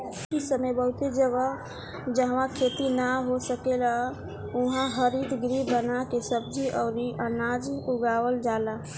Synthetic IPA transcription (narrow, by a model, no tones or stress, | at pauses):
isəməjbəɦut̪ed͡ʒəɡa | d͡ʒəɦʋãkʰet̪inaɦosəkela | uɦãɦəɾid̪ɡɾibənakesəb̚d͡ʒiʔɔʊɾiʔənad͡ʒuɡawəld͡ʒala